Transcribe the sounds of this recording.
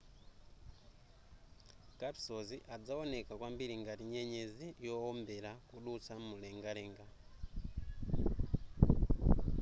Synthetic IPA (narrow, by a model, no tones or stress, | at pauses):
kapi̥soziʔad͡zawonekakwambiɾiŋɡatiɲeɲezijoombelakuɗut͡sʰamuleŋɡaleːŋɡa